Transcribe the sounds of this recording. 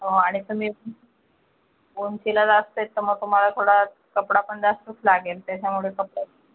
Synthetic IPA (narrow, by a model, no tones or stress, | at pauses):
ɦoaɽ̃it̪um̤iː | ont͡ɕilad͡zast̪əet̪ːəɾməɡ̚t̪um̤alat̪ʰoɽa | kəpɽapəɳd͡zasʈuslaɡelt̪jat͡ɕamuɭekəpɽa